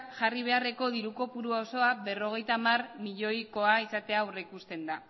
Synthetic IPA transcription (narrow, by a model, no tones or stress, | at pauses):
ʝariβ̞e̞are̞ko̞ðiɾuko̞puɾuao̞so̞aβe̞ro̞ɣ̞e̞jt̪amarmiʎo̞jko̞aisat̪e̞awrekust̪e̞nd̪a